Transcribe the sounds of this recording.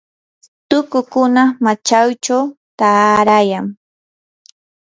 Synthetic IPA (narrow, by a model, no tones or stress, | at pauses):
t̪ʊkʊkʊnamat͡ʃawt͡ʃawt̪aːɾajaŋ